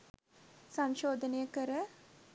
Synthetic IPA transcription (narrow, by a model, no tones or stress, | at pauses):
sɐmʃoːd̪ənəjəkəɾə